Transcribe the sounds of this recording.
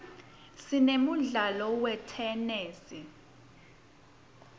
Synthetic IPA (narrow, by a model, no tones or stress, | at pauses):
sinemuɮalɔwɛtʰɛneːsi